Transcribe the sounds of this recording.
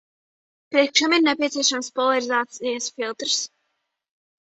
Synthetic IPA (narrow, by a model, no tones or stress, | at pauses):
pɾiɛkʃɛmiɾnepʲiɛt̪siɛʃamspɔlaɾizaːt̪sijasfilˠt̪ɾs